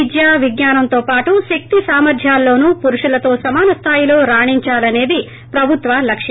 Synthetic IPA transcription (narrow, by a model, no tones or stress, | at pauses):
id͡ʒjaːʋiɡɲaːnɐmt̪o̞ːpaːʈuʃek̚t̪isaːmɐɾd̪ʱjaːlːo̞ːnupuɾuʂulɐt̪o̞ːsɐmaːnɐst̪ʰaːjilo̞ːɾaːɳiɲt͡ʃaːlɐne̞ːd̪i | pɾɐbʱut̪ʋɐlɐkʂi